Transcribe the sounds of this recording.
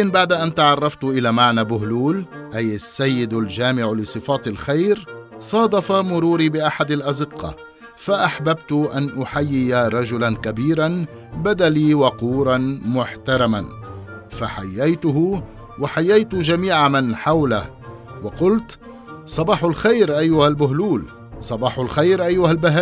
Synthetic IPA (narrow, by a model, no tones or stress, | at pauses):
ɪnbaʕd̪aʔant̪aʕɑrˤːɑft̪ʊʔɪlaːmaʕnaːbʊɦluːl | ʔajasːajːɪd̪ʊld͡ʒaːmɪʕlɪsˤɨfɑːt̪ɪlxajɾsˤɑːd̪ˤɑfɑmʊɾuːɾiːbɪʔaħad̪alʔɑd̪ɪqːɑ̰ | faʔaħbabt̪ʊʔanʔʊħajːɪjaɾˤɑd͡ʒʊlankabiːɾan | bad̪aliːwɑquːɾˤɑnmʊħt̪aɾˤɑma̰n | faħajːajt̪ʊhʊ | waħajːajt̪ʊd͡ʒamiːʕamanħawlah | wɑqʊlt̪ | sˤɑbɑːħʊlxajɾʔajːʊhalbʊɦluːl | sˤɑbɑːħʊlxajɾʔajːʊhalbaɦaː